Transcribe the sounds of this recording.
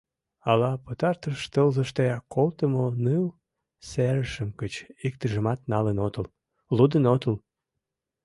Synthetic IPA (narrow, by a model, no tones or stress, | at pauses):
ɑlɑpot̪ɑrt̪əʃt̪əlzəʃt̪eɑkːolt̪əmonɨl | sæɾəʃəmkət͡ɕik̚t̪əʒə̆mɑt̪̚nɑlənot̪əl | lud̪ənot̪əl